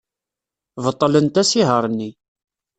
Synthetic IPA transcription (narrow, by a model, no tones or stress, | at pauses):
vət̪ˤːələnt̪æsiɦəɾˤnːi